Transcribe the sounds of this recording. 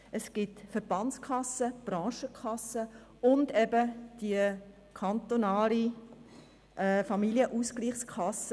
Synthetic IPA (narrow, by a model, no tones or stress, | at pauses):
əsɡ̥ɪtfəɾb̥ɑnt͡skʰɑsəb̥ɾɑ̃ːʃəkʰχɑsə | ʊndɛbəd̥iə | kʰɑnt̪onaːli | ʔɛːfɑmilijəʔuskliːχskʰɑs